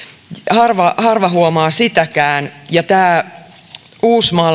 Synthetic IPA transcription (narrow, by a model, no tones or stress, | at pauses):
hɑrʋɑhɑrʋɑɦuomɑːsit̪ækæːnjɑt̪æː | uːsmɑː